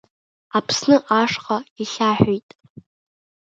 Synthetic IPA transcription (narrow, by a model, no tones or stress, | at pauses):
apʰsnɨʔaʂqʼaiɬʲaħᶣʷijtʼ